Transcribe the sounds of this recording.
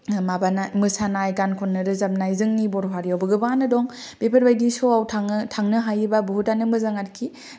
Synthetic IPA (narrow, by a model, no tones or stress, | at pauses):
mabanamɯsanajɡankʰɔnːɯɾɯzap̚najzɯŋnibɔɾɦaɾijawbɯɡɯbanɯdɔŋ | b̥epʰaɾbajdisɔawtʰaŋtʰaŋnɯɦajibabuɦutanɯmɯzaŋatkʰi